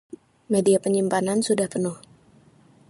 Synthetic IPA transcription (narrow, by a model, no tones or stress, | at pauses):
mediapəɲimpanansudahpənʊh